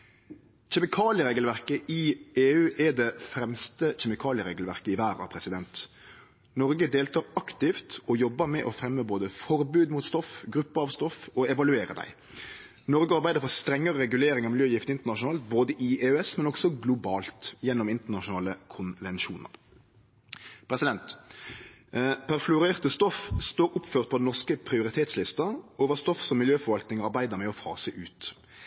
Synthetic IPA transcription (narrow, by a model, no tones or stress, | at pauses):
çɛmɪkʰɑːlɪəɾeːɡəlʋæɾkəʔɪeːʉːʔɛd̪ɛfɾɛmst̪əçɛmɪkʰɑːlɪəɾeːɡlʋæʁkəɪʋæːɾɑ̰pʰɾɛsɪd̪ɛnt̪ | nɔɾɡəd̪eːlt̪ʰɑːɾɑkt̪ɪft̪ɔjɔbːəɾmɛʔɔfɾɛmːəboːd̪əfɔɾbʉːd̪muːt̪st̪ɔfɡɾʉpːəɾɑʋst̪ɔfɔɛʋɑlʉeːɾə̰d̪æ̰ɪ | nɔɾɡəɑɾbæɪd̪əɾfɔʁst̪ɾɛŋːəɾəɾɛɡʉleːɾɪŋɑʋmɪljøːjɪft̪əɪnt̪əʁnɑʃʊnɑːlt̪boːd̪əʔieøɛsmɛnɔɡsɔɡlʊbɑːlt̪jɛnːɔmɪnt̪əʁnɑʃʊnɑːləkʰʊnʋɛnʃuːnə̰ɾ | pʰɾɛsɪd̪ɛnt̪ | pʰæʁflʊɾeːʁt̪əst̪ɔfst̪oːɾʊpføːʁt̪̚pʰɔd̪ɛnɔʁskəpʰɾɪʊɾɪt̪ʰeːt̪slɪst̪ɑoːʋəst̪ɔfsɔmːɪljøːfɔɾʋɑlt̪nɪŋɔɑɾbæɪd̪əɾmɛɔfɑ̰ːsəʔʉːt̪